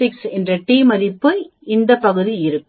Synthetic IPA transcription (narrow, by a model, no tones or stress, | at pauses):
ɪksɛndrɐʈiːmɐɾɪpːɯɪnd̪ɐpɐɣɯðiɪɾɯkː